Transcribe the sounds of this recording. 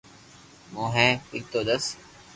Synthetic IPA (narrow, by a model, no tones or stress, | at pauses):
mõːɦɛ̃ːɪk̚t̪oːd̪əs